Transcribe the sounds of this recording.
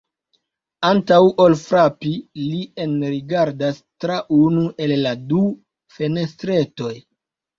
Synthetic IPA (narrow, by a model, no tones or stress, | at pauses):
antawʔolfɾapilienɾiɡaɾdastɾaʔunuʔe̞lːadu | fe̞ne̞stɾe̞to̞j